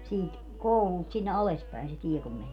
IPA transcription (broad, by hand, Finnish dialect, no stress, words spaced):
siːt koulult sinːe ɑles pæi̯n se tie kum mænie